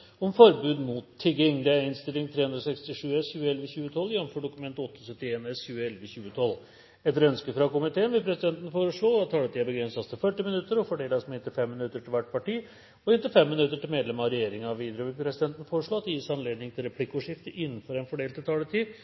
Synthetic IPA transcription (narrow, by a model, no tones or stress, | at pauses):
ɔmfɔɾbʉːd̪mut̪ʰːɪɡɪŋd̪ɛæɾɪnst̪ɪlɪŋt̪ʰɾeːʉnd̪ɾɔsɛkst̪ɪʂʉːɛsçʉːəɛlʋəçʉːət̪ʰɔlːjɛnəmfɔɖʊkʉmɛnt̪ɔt̪ːəɔsœt̪ːɪeːnɛsçʉːəɛlʋəçʉːət̪ʰɔlː | ɛt̪əɾœnskəfɾɑkʊmɪt̪ʰeːənʋɪlpʰɾɛsɪd̪ɛnt̪ənəfoːɾəʂɭoːɑt̪ʰːɑːlət̪iːæɾbəɡɾɛnsɑst̪ʰɪlfœʈːɪmɪnʉt̪ːəɾɔfɔɖeːlɑsmɛɪnt̪ɪfɛmːɪnʉt̪ːəʈʰɪlʋæʈpʰɑʈiː | ɔhɪnt̪əfɛmːɪnʉt̪ːəʈɪlmeːd̪lɛmɑɾɛjeːɾɪŋɑɑʋiːd̪ɾəɔʋɪlpʰɾɛsɪd̪ɛnt̪ən̩foːɾəʂɭoːɑt̪ɔjiːsɑnleːd̪nɪŋt̪ʰɪlɾɛpʰlɪkːʊʂɪft̪əʔɪnːənfɔɾɛnfɔɖeːlt̪ɪt̪ʰɑːlət̪ʰiː